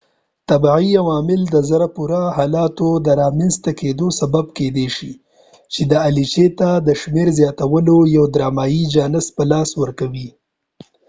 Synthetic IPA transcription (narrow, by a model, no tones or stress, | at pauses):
t̪abʕiawɑmɪld̪əzaɾapuɾahɑlɑt̪od̪əɾɑmenzt̪aked̪osababked̪eʃi | t͡ʃed̪əalit͡ʃet̪ad̪əʃmeɾzjɑt̪awəlojawd̪ɾɑmɑjid͡ʒɑnɪs̚pəlɑswəɾkawi